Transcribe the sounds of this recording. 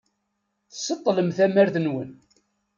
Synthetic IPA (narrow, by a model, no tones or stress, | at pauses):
θə̥sət̪ˤːləmθæmæɾθənwən